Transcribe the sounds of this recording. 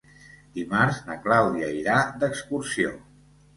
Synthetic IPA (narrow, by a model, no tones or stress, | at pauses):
d̪̥imaɾznəklawðiəiɾad̪əkskuɾsio̰